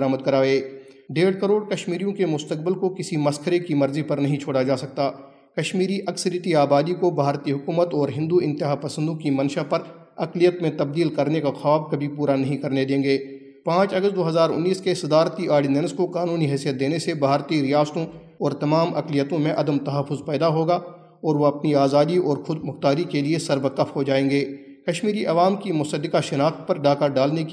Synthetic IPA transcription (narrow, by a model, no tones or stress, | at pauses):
ɾaːməd̪̚kɐɾaːeːɖeːɽkəɾoːɽkɐʃmiːɾijõkemʊst̪ək̚bɪlkokɪsimɐskʰəɾekimɐɾzipɐɾnɐɦĩt͡ʃʰoːɽad͡ʒaːsɐk̚t̪aː | kɐʃmiːɾiʔɐksəɾjət̪iaːbaːd̪ikobʱaːɾt̪iɦʊkuːmət̪ɔːɾɦɪ̃nd̪uɪ̃nt̪ɪɦapɐsə̃nd̪õkimɐnʃapɐɾ | ɐklijət̪mẽt̪ɐb̚d̪iːlkɐɾnekaxaːbkɐbʱipuːɾanɐɦĩkɐɾned̪ẽːŋɡeː | pãːt͡ʃɐɡəst̪̚d̪oːɦɐzaːɾʊ̰nːiːskesɐd̪aːɾt̪iʔaːɽinɛnskokaːnuːniɦɛːsijət̪̚d̪eːnesebʱaːɾt̪iɾɪjaːst̪õ | ɔːɾt̪ɐmaːmʔɐ̰klijət̪õmẽʔɐd̪əmt̪ɐɦəfːʊzpɛːd̪aɦoːɡa | ɔːɾʋoɐpniaːzaːd̪iɔːɾxʊd̪mʊxt̪aːɾikeliesɐɾʋəqːəfɦod͡ʒaːẽːɡeː | kɐʃmiːɾiʔɐʋaːmkimʊsəd̪ːɪkaʃɪnaːxt̪̚pɐɾɖaːkaɖaːlnek